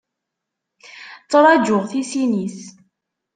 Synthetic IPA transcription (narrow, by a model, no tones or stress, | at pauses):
t͡sːɾˤɑd͡ʒʊʁθisinis